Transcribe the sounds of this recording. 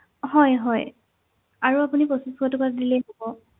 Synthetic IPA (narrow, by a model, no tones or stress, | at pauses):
hɔjɦɔj | aɹuapuniposiskʰɔtʊkaadilejnobɔ